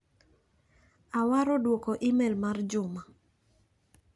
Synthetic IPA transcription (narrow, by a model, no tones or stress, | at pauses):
awaɾɔdwokoʔimɛlmard͡ʒʊma